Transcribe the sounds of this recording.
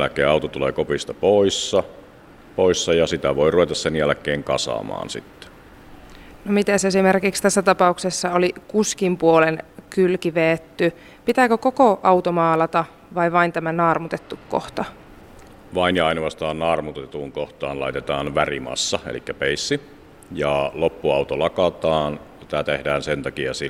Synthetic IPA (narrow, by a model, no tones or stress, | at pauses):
lækˑeːɑˑut̪ot̪ulḛːkopist̪ɑpoisːɑ | poisːɑjɑsit̪æʋoiruʋet̪ɑssenjælkˑeːŋkɑsɑ̰mɑ̰ːnsḭt̪ːe̥ | nomit̪esesimerkikst̪æsːæt̪ɑpɑuksesːɑolikuskimpuolenkylkiʋeːt̪ːy | pit̪æːkøkokoʔɑut̪omɑːlɑt̪ɑ | ʋɑiʋɑint̪æmænɑːrmut̪et̪ːukko̰ht̪ɑ | ʋɑinjɑɑinʋɑst̪ɑːnnɑːrmut̪et̪uŋkoht̪ɑːnlɑ̰it̪et̪ɑːnʋærimɑ̰sːɑḛlikːæpeisːi | jɑlopːuɑut̪olɑkɑt̪ɑːn | sit̪æt̪ḛhdæːnsent̪ɑkiɑ̰si